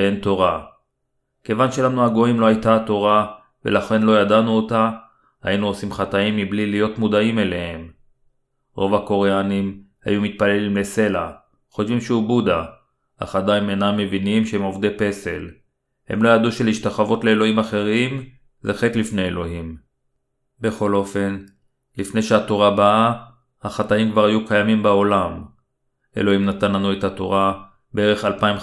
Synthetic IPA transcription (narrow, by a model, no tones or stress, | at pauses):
ent̪o̞ʁa | ke̞vanʃe̞lanuaɡo̞imlo̞ajtato̞ʁa | ve̞̰laχe̞nlo̞jadanuota | ha̰inuosimχataimːiblilijo̞tmudaimele̞he̞m | ʁo̞vhako̞ʁeanim | ha̰jumit̪̚pale̞limle̞se̞la̰ | χotvimʃeubuda | a̰χadaimenamːe̞vinimʃeemo̞vd̪epe̞se̞̰l | hḛmlo̞jaduʃeliʃtaχavo̞t̪le̞ːlo̞imaχe̞ʁim | zeχet̪lifnejelo̞ɦim | be̞χo̞lo̞fe̞n | lifne̞jʃeat̪oʁabaa | haχat̪aimkvaʁhajukajamimbao̞lam | ḛlo̞himnat̪anlanuet̪at̪o̰ʁa | beeʁe̞χalpaim